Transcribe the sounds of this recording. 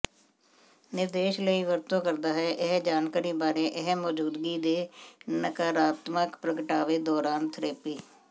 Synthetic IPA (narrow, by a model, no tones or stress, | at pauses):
nɪɾd̪eːʃləiːʋəɾt̪õːkəɾd̪aːɦɛːʔɪɦd͡ʒaːnkaɾiːbaːɾeːʔɪɦmɔːd͡ʒuːd̪ɡiːd̪eːnəkaːɾaːt̪məkpɾəkəʈaːʋeːd̪ɔːɾaːnt̪ʰɾeːpiː